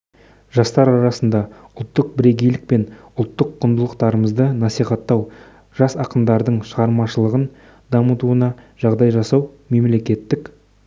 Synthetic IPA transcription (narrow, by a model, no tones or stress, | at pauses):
ʒɑst̪ɑɾɑɾɑsənd̪ɑ | ʊlˠt̪ːəq̚bɪɾe̞ɡʲejlɪk̚pe̞n | ʊlˠt̪ːəqʰːʊnd̪əlˠəqt̪ɑɾəməzd̪ənɑsijχɑt̪ːɑw | ʒ̥ɑsɑqəmd̪ɑɾd̪əɴʃəʁɑɾmɑʃəlˠəʁən | d̪ɑmət̪uənɑʒ̥ɑʁd̪ɑjʒɑsɑw | me̞mle̞kʲe̞t̪ːɪk